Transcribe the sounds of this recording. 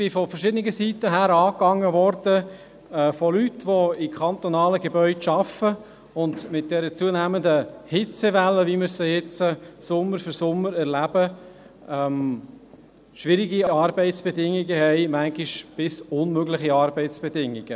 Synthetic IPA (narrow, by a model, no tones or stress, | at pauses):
b̥ɪfɔfəɾʃɪdənɪɡəsitːəɦæːɾɑːkːɑŋːəʋɔrd̥ə | ɛfɔlytʋoɪkʰɑnt̪ɔnɑːləɡebœʏdʃɑfə | ʊndmɪt̚d̥ɛɾət͡suənæməndəhɪt͡seʋɛlːəʋiməsɛjɛt͡səsʊmːəɾfʏɾsʊmːəɾɛɾlæb̥ə | ɛm | ʃʋɪɾiɡiɑɾbɛɪtsb̥edɪŋːiɡəhɛɪmæŋɡiʃb̥ɪsʊnmøɡlɪχiɑːɾbɛɪt͡sb̥edɪŋːiɡ̥ə